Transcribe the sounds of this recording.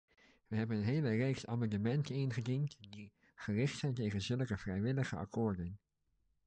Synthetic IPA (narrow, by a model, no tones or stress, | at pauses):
ʋəɦɛbənənɦeːlərejksa̰mɑndəmɛntənɪnχədintdi | χərɪχtsɛjntejχənzɵləkəv̥rɛjʋɪləχəa̰kʰʊːɹdən